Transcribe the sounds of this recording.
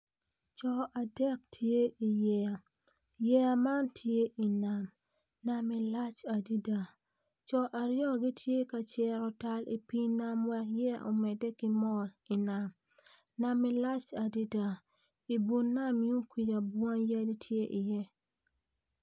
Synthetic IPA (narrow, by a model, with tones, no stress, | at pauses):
t͡ʃɔ˨a˨dɛ˦˨k̚tʰje˦i˨jɛ˦a˨ | jɛ˦a˨ma˦ntʰje˦ʔi˨na˨m | na˦mi˨la˦t͡ʃa˨di˦da˨ | t͡ʃɔ˦ʔa˨ɾjɔ˦ɡi˦tʰje˦ka˨t͡ʃɛ˦ɾɔ˨ta˦lʔḭ˨pi˦na˦mwɛ˦kjɛ˦a̰˨ʔo˨mɛ˨dɛ˦kɪ˦mɔ˦li˨na˨m | na˦mi˦la˦t͡ʃa˨di˦da˨ | i˨bu˨nːa˦˨mju˦ki˨d͡ʒa˨bwɔ˦ŋja˦di˦tʰje˦ʔi˨jɛ˦